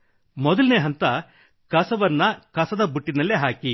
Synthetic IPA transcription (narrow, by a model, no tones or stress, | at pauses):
mɔd̪ɐlineːɦɐnt̪ɐ | kɐsɐʋɐnːɐkɐsɐd̪ɐbuʈːinɐlːeɦaːki